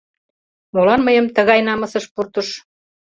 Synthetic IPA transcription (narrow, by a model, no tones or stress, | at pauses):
molɑnməjə̆mt̪əɣɑjnɑmɤ̆sə̆ʃpurt̪əʃ